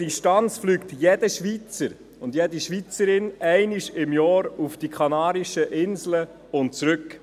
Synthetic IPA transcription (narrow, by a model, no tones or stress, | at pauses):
diʃtɑnt͡sflyːktjed̥əʃʋit͡səɾ | ʊndjediʃʋit͡səɾɪnɛɪniʃɪmjɑːɾufd̥ikʰχɑnɑːɾiʃəʔɪnzlə | ʊntt͡sɾʏk